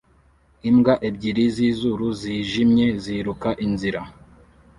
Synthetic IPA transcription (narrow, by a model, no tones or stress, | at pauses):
imɡaʔeb̚ɟiɾizizuɾuziːʒimɲe̞ziɾukaʔinziɾa